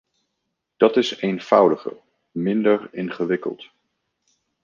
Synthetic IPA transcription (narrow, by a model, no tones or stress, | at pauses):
d̥ɑtɪsejnv̥ʌwdəχə̰ | mɪndərɪnχəʋɪkə̰lˠt